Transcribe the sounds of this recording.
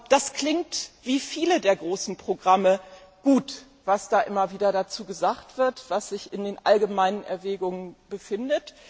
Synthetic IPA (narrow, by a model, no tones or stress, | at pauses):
d̥askl̥ɪŋtv̥iːfiːlədeːɐɡʁoːsn̩pʁ̥oɡʁaməɡ̥uːt | v̥asd̥aːʔɪmɐviːdɐɾat͡suːɡəzaːktv̥ɪɐtv̥asz̥ɪçɪndeːnʔalɡəmaɪnənʔɛ̰ɐvɛːɡʊŋənbəfɪndət